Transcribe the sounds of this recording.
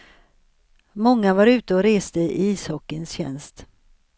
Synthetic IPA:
mɔŋːavaɾʉ̟ːt̪əɔɾeːst̪əʔiːshɔkːənsɕɛ̰nst̪

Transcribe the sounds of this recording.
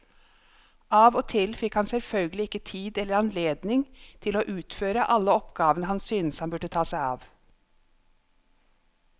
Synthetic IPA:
ɑːʋoːt̪ʰɪlfɪkhɑnsɛlfœlɡəlɪɪkːət̪ʰiːd̪ɛlːəɾɑnleːd̪nɪŋt̪ʰɪloːʔʉːt̪føːɾəʔɑlːəɔpɡɑːʋənəɦɑnsyːnəshɑnbʉʈət̪ʰɑːsæɪɑ̰ːʋ

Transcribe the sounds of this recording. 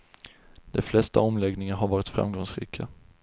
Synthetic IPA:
d̪̥ɛflɛst̪a̰ɔmlɛɡnɪŋaɾɦaɾvɑːɾɪt̪fɾa̰mɡɔŋsɾḭːkʰa

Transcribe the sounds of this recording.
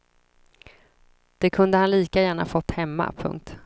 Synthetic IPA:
d̪̥ɛkʰɵnd̪əhanliːkajæːɳa̰fɔt̪ːhɛmːa̰pʰɵ̰ŋk̚t̪

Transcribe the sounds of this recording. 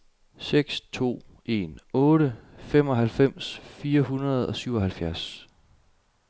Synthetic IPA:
seɡ̥st͡sʰo̝̰ː | e̝̰nɔ̽ːɾəfem̰ɒ̽ɦælfem̰sfiːɐɦunɐð̞̩ˠɒ̽syʊ̰ɒ̽hælfjæɐs

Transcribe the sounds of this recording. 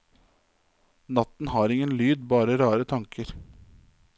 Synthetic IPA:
nɑt̪n̩hɑːɾɪŋənlyːd̪bɑːɾəɾɑːɾət̪ʰɑŋkəɾ

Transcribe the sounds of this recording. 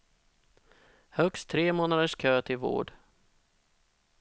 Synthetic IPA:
hœkst̪ʰːɾeːmoːnad̪əʂkʰøːt̪ʰɪlvo̰ːɖ

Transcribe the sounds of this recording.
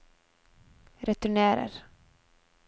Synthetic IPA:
ɾɛt̪ʉɳɛːɾə̰ɾ

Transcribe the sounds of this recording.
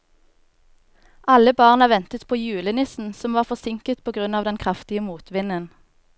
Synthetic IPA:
ʔɑləbɑːʁnəʋɛnt̪ət̪pʰoːjʉːlənɪsn̩sɔmʋɑːʁfɔʁsɪŋkət̪pʰoːɡʁʉnɑːʋd̪ɛnkʰʁɑft̪ɪəmuːt̪ʋɪnən

